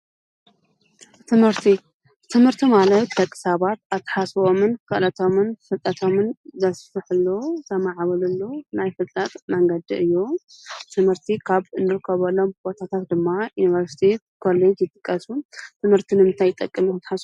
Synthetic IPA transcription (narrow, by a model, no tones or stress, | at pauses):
t̪ʰɨmhɨɾt̪ʰi | t̪ʰɨmhɨɾt̪ʰimalɐt̪ːɐkʼːɨ̥saβat̪at̪ʰːɐ̥ħasβo̞mɨnkɨʔlɐt̪ʰo̞mɨnfɨlt̪ʼɐt̪ʰo̞mɨnzɐsfɨħɨlːot̪ʰɐmaʕβɐlulːonajfɨlt̪ʼɐt̪ʼmɐŋɡɐd̪iɨjːut̪ʰɨmhɨɾt̪ʰikʰaβɨnːɨɾɨkʰːɐβɐlːo̞mbo̞t̪ʰat̪ʰat̪̚d̪ɨmːajunivɐɾsi̥t̪ʰe | kʰo̞lːe̞d͡ʒjɨt̪ʼɨkʼːɐsut̪ʰɨmhɨɾt̪ʰinɨmɨnt̪ʰajɪt̪ʼɐkʼːɨmuknt̪ʰːħas